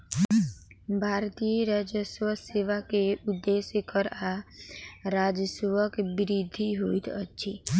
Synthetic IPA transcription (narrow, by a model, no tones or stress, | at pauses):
bʱaːɾt̪ijəɾaːd͡ʒəswəseːʋakeʊd̪ːeːsjəkəɾa | ɾaːd͡ʒəsʋəkbɪɾid̪ʱiɦoːit̪ətːʃʰi